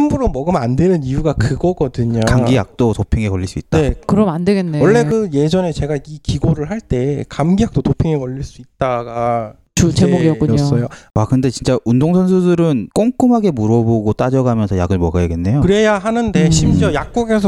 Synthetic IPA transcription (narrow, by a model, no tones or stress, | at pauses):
imbuɾomʌɡɯmandwe̞nɯnijuɡakɯɡʌɡʌdɯɲakamɡijak̚t͈otopʰeŋekʌʎːiɭs͈uit̚t͈ae̞kɯɾʌmandeɡenːewʌɭːe̞kɯjed͡ʑʌne̞t͡ɕe̞ɡaikiɡoɾɯɭɦaɭt͈e̞kamɡijak̚t͈otopʰeŋekʌʎːiɭs͈uit̚t͈aɡa | t͡ɕut͡ɕemoɡiʌk͈uos͈ʌjowakɯnde̞t͡ɕint͡ɕ͈aʔundoŋsʰʌnsʰudɯɾɯnk͈oŋk͈ɯmɦaɡe̞muɾʌboɡot͈ad͡ʑʌɡamjʌnsʰʌjaɡɯɭmʌɡajaɡenːe̞jokɯɾe̞jaɦanɯnde̞ɕʰimd͡ʑʌjak̚k͈oɡe̞sʰʌ